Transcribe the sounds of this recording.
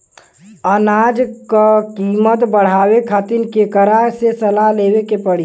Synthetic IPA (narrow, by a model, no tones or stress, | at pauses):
ənad͡ʒkakiːmət̪bəɽ̤aːwekʰat̪inkekəɾasesəlaleːwekepəɽ̤i